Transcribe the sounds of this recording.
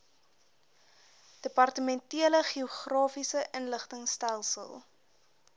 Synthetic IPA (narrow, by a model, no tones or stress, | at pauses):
d̥əpɐrtəmɛntiələχioχrɑːfisəʔənləχtəŋstælˠsə̰lˠ